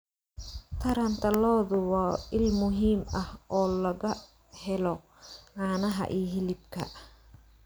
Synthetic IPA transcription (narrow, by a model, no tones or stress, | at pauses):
t̪ʰɐɾɐnt̪ʰɐlɔːðʊwɑːʔɪlmʊɦiːmɐhʔɔːlɐɣɐ | hɛlɔ | ʕɑːnɐɦɐ̰ʔiːɦɪlɪbkʰɐ̰